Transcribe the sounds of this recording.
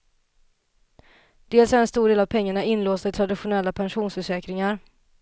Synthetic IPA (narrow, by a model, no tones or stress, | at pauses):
d̪̥eːlsaɾɛnst̪uːɖeːlavpʰɛŋːaɳaɪnloːst̪ət̪ʰɾad̪ɪɧʊnɛlːapʰɛnɧuːnsfœʂɛːkɾɪŋaɾ